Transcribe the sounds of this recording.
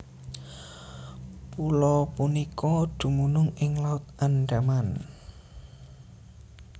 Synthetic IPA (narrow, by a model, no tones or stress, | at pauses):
pulɔpunikɔd̪̥ṳmunʊŋɪŋlaʊt̪̚anɖaman